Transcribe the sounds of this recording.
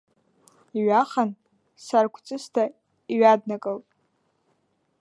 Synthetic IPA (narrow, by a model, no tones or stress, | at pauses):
iɥaχan | sarkʷʰt͡sʼɨstʰa | iɥadnakʼɨltʼ